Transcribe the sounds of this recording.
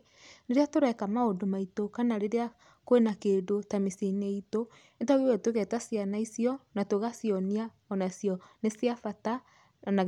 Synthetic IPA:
neɾeatoɾɛkamaodomaitokanaɾeɾea | koenakedotamisineito | etaɣewɛtoɣɛtasjanaisjɔnatoɣasiɔnia | ɔnaisjɔnesiafata | na

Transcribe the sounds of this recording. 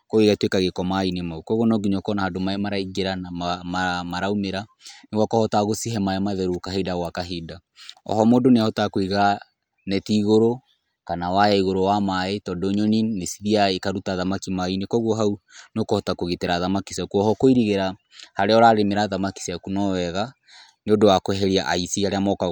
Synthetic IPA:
koɣeɣatwekaɣekɔmainemaukɔɣonɔɡiɲɔkɔnahadomaemaɾaiɡeɾanaamamaɾaumeɾa | neɣwakɔhɔtaɣosiɦɛmaɛmaðɛɾukaɦedaɣwakaɦeda | ɔ̰hɔmoːdoneahɔtakoiɣa | nɛtiɣoɾo | kanawajaiɣoɾowamaetɔdoɲoninesiðiaekaɾutaðamakimainekɔɣuɦaunokɔhɔtakoɣiteɾaðamakisjakuɔɦɔkoiɾiɣeɾa | haɾeɔɾaɾemeɾaðamaki̥siakunɔwɛɣa | neodowakoɛɦɛɾiaʔaisiaɾeamɔka

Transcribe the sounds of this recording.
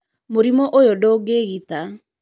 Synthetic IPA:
moɾimɔʔojodoɡeɣita

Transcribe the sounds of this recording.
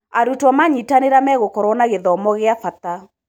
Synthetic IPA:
aɾutwamaɲitaneɾamɛɣokɔɾɔnaɣeðɔːmɔɣeafat̪a

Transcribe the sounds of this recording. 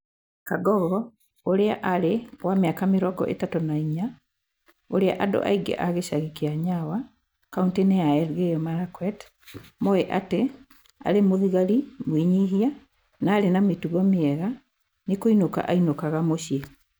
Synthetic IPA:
kaɡɔɣɔ | oɾeaʔaɾewameakameɾɔɡɔ̰ʔḛtatonaiɲa | oɾea̰ʔado̰ʔa̰iŋɡɛ̰ʔaɣeɕaɣikiaɲawa | kauntineaɛlɣejɔmaɾakwɛt | moeʔate | a̰ɾemoðiɣaɾimwiɲiɦia | naːɾenametuɣɔmeɛɣa | nekoinoka̰ʔainokaɣamoɕje

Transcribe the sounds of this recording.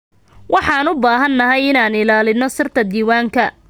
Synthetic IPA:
wʔɑħɑːnʊbaːɦɐnːɐɦɛjɪnaːnɪlaːlɪnɔsɪrt̪ʰɐd̪iːwaːŋkʰɐ

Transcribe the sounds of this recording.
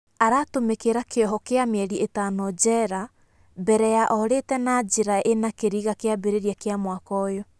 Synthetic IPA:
aɾatomekeɾakeɔɦɔkeameɛɾietanɔd͡ʒɛɾa | bɛɾɛjaʔɔɾetɛnad͡ʒiɾaʔenakeɾiɣakeabeɾeɾiakeamwakɔjo

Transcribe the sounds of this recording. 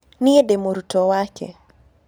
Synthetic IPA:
niedemoɾutɔwakɛ̰

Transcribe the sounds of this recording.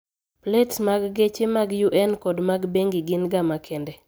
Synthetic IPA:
pletsmaɡɡet͡ʃemaɡjuʔɛnkɔdmaɡbeŋɡɪɡɪnɡamakʰendɛ

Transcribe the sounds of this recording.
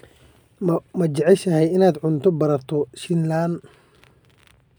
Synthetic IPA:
mɐt͡ʃɛʕɛʃɐɦɛjɪnaːd̪ʕʊnt̪ʰɔbɐɾɐrt̪ʰɔʃɪnlan

